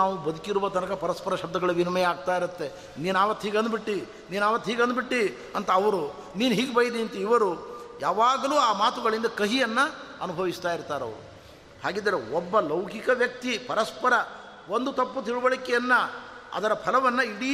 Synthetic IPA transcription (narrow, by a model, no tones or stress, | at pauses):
aːʋubɐd̪ukiɾuʋɐt̪ɐnɐkɐpɐɾɐspɐɾɐʃɐb̚d̪ɐɡɐɭɐʋinɐmɐjaːɡ̚t̪aːjiɾut̪ːe̞ | niːnaːʋɐt̪ːɦiːɡɐnd̪biʈːi | niːnaːʋɐt̪ːɦiːɡɐnd̪̚biʈːi | ɐnt̪ɐːʋɐɾu | niːnuɦiːɡebɐjd̪int̪ɐiʋɐɾujaːʋaːɡɐluːaːmaːt̪uɡɐɭind̪ɐkɐɦijɐnːɐɐnubʱɐʋist̪aːjiɾt̪aːɾɐ̰ʋɐɾuu | haːɡiːd̪ɐɾeɔbːɐlɐwkikɐʋjɐk̚t̪ipɐɾɐspɐɾɐ | ʋond̪ut̪ɐpːut̪iɭuʋɐɭikɛjɐnːɐɐ̰d̪ɐɾɐpʰɐlɐʋɐnːɐiɽi